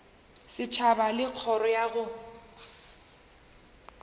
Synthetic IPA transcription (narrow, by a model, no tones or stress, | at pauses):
sɪt͡ʃʰabalɪq͡χʰɔɾɔjaɣʊ